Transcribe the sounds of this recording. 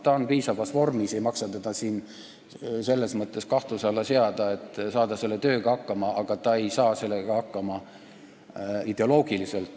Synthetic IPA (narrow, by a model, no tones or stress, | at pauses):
t̪ɑonpiːsɑvɑsvo̞rmise̞jmɑksɑt̪ed̪̥ɑsiːn | se̞lːe̞smɤt̪ːˑe̞skɑht̪usɑlːɑse̞ɑd̪̥ɑe̞t̪ːˑsɑːd̪̥ɑse̞lːe̞t̪ø̞ːɡ̥ɑɑkːɑmɑʔɑɡ̥ɑt̪ɑe̞jsɑːse̞lːeɡ̥ɑɑkːɑmɑ | id̪̥e̞o̞lo̞ːɡ̥iliselt̪ˑ